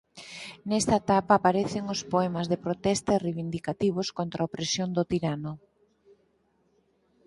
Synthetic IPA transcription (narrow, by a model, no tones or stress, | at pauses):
nɛst̪aet̪apaːpaɾeθɪŋospoɛmɐzðepɾot̪ɛst̪areβind̪ikat̪iβ̞oskont̪ɾaopɾesjond̪ot̪iɾanʊ